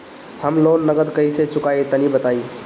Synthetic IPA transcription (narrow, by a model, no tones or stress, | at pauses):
həmloːnːəɡəd̪kəiset͡ʃʊkait̪ənibət̪ai